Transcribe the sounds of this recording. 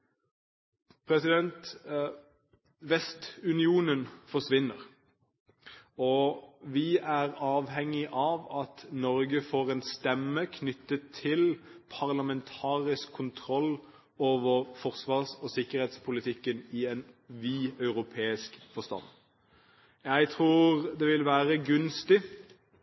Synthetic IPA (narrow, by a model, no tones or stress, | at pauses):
pʰʁɛsɪd̪ɛnt̪ | ʋɛst̪ʉnɪuːnənfɔʂʋɪnːəʁ | ɔʋɪæːʁɑːʋhɛŋɪʔɑːʋɑt̪nɔɾɡəfoːʁɛːnst̪ɛmːəkʰnʏt̪ːət̪ʰɪlpʰɑʁlɑmɛnt̪ʰɑːʁɪskʰːʊnt̪ʰɾɔl | oːʋəɾfɔʁsʋɑːʁsɔsɪkːəɾheːt̪spʰʊlɪt̪ʰɪkːənɪɛnʋiːœʉʁʊpʰeːɪskfɔst̪ɑ̰n | jæɪt̪ʰʁuːʁd̪ɛʋɪlʋæːʁəɡʉnst̪ɪ